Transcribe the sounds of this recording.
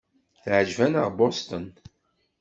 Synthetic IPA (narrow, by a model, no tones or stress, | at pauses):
θʕəd͡ʒvænəʁbost̪ən